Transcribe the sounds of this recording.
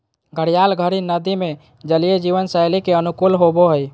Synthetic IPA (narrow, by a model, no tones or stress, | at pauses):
ɡʱəɽijalɡʱəɾinəd̪ime | d͡ʒəlijed͡ʒiʋənsəjlikeənukulɦoboɦəj